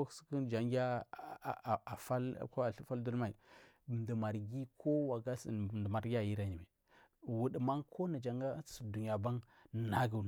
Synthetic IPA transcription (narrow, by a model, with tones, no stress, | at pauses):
skə˦nd͡ʒa˨ŋɡa˦˨ | a˨fa˦l̰ko˦a˨ɬi˦fa˦ldu˦lma˨i˨ | m˨di˨ma˨ɾɡi˦kʰo˦wa˨ɡa˦sdə˨ma˨ɾɡʲa˦˨ji˦ɾa˦ɲi˨me˨ | wu˨ɗi˨ma˦ŋkʰo˦na˨d͡ʒa˨ŋɡa˦sə˨du˨ɲ˨a˨ba˦ŋ˨ | na˦ɡə˨